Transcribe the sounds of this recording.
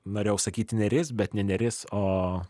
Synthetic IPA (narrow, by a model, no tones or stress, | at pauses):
noːɾʲeːjɛʊsɐkʲiːt̪ʲɪnʲɛɾʲɪsbʲɛt̪nʲɛnʲɛɾʲɪsoː